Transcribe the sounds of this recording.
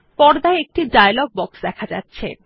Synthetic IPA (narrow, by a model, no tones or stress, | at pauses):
pɔɾd̪aeek̚ʈiɖajloɡ̚bɔksd̪ɛkʰad͡ʑa̰tːɕʰḛ